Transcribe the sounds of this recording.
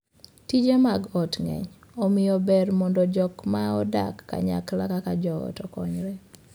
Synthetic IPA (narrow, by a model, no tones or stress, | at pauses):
tid͡ʒemaɡɔtŋɛ̰ɲ | ɔmɪjɔbɛrmɔndɔd͡ʒɔkmaɔda̰kːa̰ɲa̰klakakad͡ʒɔɔ̰tɔkɔɲɾɛ